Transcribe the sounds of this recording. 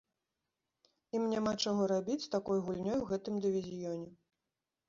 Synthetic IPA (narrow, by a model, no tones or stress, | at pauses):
imnʲamat͡ʂaɣɔɾabʲit͡sʲst̪akɔjɣulʲnʲɔjwɣɛt̪ɨmd̪ɨvʲizʲjɔnʲɛ